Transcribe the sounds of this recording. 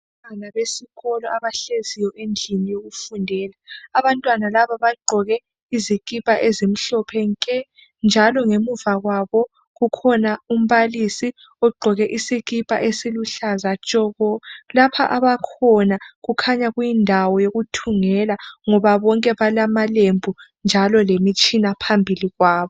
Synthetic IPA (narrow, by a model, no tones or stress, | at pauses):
anaβesiɣɔlɔʔaβaɬezijɔʔend͡ɮʱinijoɣufundʱɛːlaːβantʼwanalaβaβaɡ͡ǃʱɔɣɛ | iziɣipʼaʔezim̩ɬɔpʰɛŋkʼɛ | nd͡ʒʱalɔŋemuvaɣwaβɔ | ɣukʰɔnaum̩βalisi | ɔɡ͡ǃʱɔɣɛʔisiɣipʼa̰ʔesiluɬazat͡ʃʼɔɣɔlapʰa̰ʔaβakʰɔnaɣukʰaɲaɣwjindʱawɔjoɣutʰuŋɛlaŋɔβaβɔŋkʼɛβalamalembʱund͡ʒʱalɔlemit͡ʃʼinapʰambʱiliɣwaːβɔ